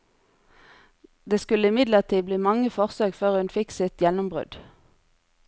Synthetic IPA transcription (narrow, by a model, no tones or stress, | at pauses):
d̪eːskʉləɪmɪd̪ləʁt̪ʰiːbliːmɑŋəfɔʁsøːɡføːʁʉnfɪksɪt̪jɛnʊmbʁʉ̰d̪̥